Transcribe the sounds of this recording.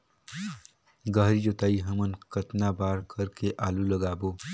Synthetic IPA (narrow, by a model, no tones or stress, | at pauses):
ɡəɦɾid͡ʒot̪aːiɦəmənkət̪nabaːɾkʰəɾkeʔaːluləɡaːboː